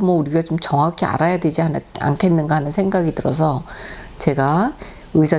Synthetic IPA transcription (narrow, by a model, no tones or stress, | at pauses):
mwʌuɾiɡat͡ɕomt͡ɕʌŋɦakʰea̰ɾajadwe̞d͡ʑiana̰nkʰe̞nːɯnɡaɦhanɯnsʰe̞ŋɡaɡitɯɾʌs̬ʰʌt͡ɕe̞ɡa | ɯsʰa